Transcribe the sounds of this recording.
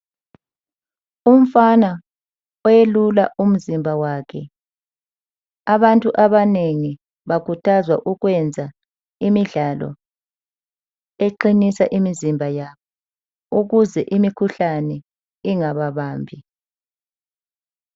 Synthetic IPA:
um̩fana | ɔjelulaʔum̩zimbʱawaːkʰɛ | aβantʼuʔaβaneŋi | βakʰutʰazwaʔuɣwɛnd͡zʱa | imiɮalɔ̰ | eǃinisaʔimizimbʱajaβɔ | uɣuzɛʔimikʰuɬanɛ | iŋaβaβaːmbʱi

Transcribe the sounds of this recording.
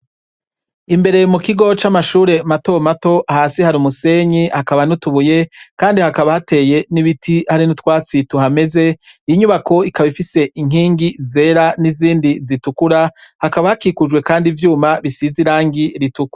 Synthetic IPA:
imbe̞ɾe̞mukiɡo̞t͡ʃamaʃuːɾe̞mato̞mato̞ʔahaːsihaɾumuse̞ɲihakaβanutuβuje̞kaːndihakaβahate̞ːje̞niβitʰihaɾinutwaːt͡situɦame̞ze̞iɲuβako̞ikaβifise̞ʔiŋ̥iːŋɡize̞ːɾaniziːndizitukuɾahakaβahakikud͡ʒɡwe̞kaːndivjuːmaβisiziɾaːŋɡiɾitukwa

